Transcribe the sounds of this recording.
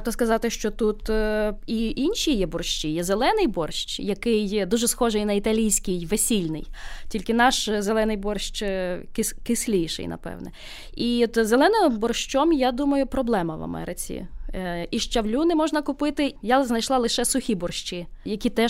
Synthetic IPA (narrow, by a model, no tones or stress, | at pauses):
t̪ɔskɐzɑt̪ɪʃt͡ʃɔt̪ut̪iʔinʲʃʲijɛbɔrʃʲt͡ʃijɛzelˠɛnɪjbɔrʃt͡ʃjɐkɪjd̪uʒɛsxɔʒɪjnɐit̪ɐlʲijsʲkʲɪjʋesʲilʲnɪ̰jtʲilʲkɪnɑʃzelˠɛnɪjbɔrʃt͡ʃkɪskɪsʲlʲijʃɪ̰jnɐ̰pɛ̰wnɛ̰ | it̪zelˠɛnɪɔbɔrʃt͡ʃɔmjad̪umɐjʊpɾɔblˠɛmɐʋɐ̰mɛ̰ɾɪt͡sʲḭ | iʃt͡ʃɐwlʲunɪmɔʒnɐkʊpɪt̪ɪjaznɐjʃlˠɑlˠɪʃɛsʊxʲibɔrʃt͡ʃijɐkʲit̪ɛ